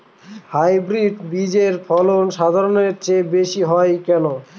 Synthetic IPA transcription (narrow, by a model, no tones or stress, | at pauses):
hajbɾiɖbid͡ʑeɾfʰɔlonʃad̪ʱaɾoneɾt͡ɕebeʃiɦɔjkɛno